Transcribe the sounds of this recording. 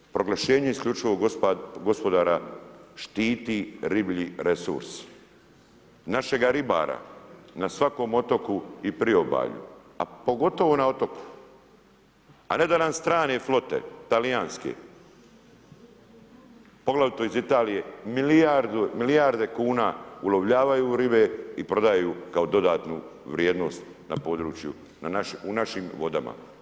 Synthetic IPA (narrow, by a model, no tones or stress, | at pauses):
pɾo̞ɡlˠaʃe̞ːɲe̞iskʎʲut͡ʃiʋoɡo̞spo̞d̪aːɾaʃt̪iːt̪iɾibʎiɾe̞sṵɾsi̥ | naʃe̞ɡaɾiba̰ːɾa̰nasʋako̞ːmo̞t̪o̞kuipɾio̞ba̰ːʎṵ | a̰po̞ɡo̞t̪o̞ʋo̞nao̞t̪o̞ku̥ | a̰ne̞d̪anamst̪ɾaːneflˠo̞t̪e̞̰t̪alijaːnskḛ | po̞ɡlaʋit̪oizit̪aːlijemiliaɾd̪umilijaɾd̪e̞kuːnaːuloʋʎaːʋajuːɾibeipɾo̞d̪ajukao̞d̪o̞d̪aːt̪nuʋɾjeːd̪no̞ːst̪ | na̰po̞ːd̪ɾuːt͡ʃjṵ | nanaʃunaʃimʋo̞d̪ama̰